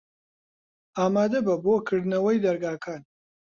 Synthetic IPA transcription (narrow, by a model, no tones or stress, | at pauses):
aːmaːd̪ɐbɐboːkʰɨɾd̪nɐwɐjd̪ɐɾɡaːkʰaːn